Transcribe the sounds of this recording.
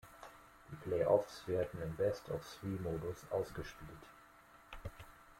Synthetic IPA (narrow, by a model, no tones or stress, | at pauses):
d̥iːpʰl̥eɪʔɔfsv̥eːɐdn̩ɪmbɛstʰa̰ʊfswiːmoːdʊsʔa̰ʊsɡ̥əʃpiːlt